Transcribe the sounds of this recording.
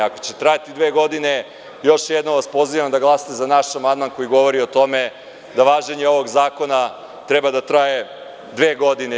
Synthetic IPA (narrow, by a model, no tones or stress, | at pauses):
ako̞t͡ɕet̪ɾajat̪id̪ʋe̞ːɡo̞d̪ine | jo̞ʃjed̪nomʋaspo̞ziʋamd̪aɡlˠasi̥t̪ezanaʃamand̪manko̞jiɡo̞ʋo̞ɾio̞t̪o̞me̞ | d̪aʋaːʒeɲeo̞ʋo̞ɡzaːko̞na | t̪ɾɛbad̪at̪ɾaje̞ | d̪ʋeːɡo̞d̪ine